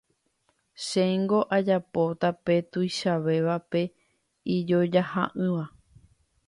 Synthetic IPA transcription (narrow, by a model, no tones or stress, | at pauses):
ʃeŋɡo̞ʔad͡ʒapo̞t̪ape̞t̪ujʃaʋe̞ʋape̞ | id͡ʒod͡ʒaha̰ʔɨ̃ʋa